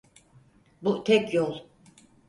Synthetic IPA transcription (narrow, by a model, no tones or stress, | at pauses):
but̪ʰɛcjolˠ